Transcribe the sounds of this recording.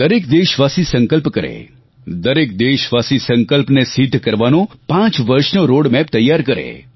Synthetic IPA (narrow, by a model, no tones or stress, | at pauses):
d̪əɾekd̪eʃʋasisəŋkəlpkəɾḛ | d̪əɾek̚d̪eʃʋasisəŋkəlpnesid̪ʱːkəɾʋanõpãt͡ʃʋəɾʃnoɾoɽmɛp̚t̪əjːaɾkəɾḛ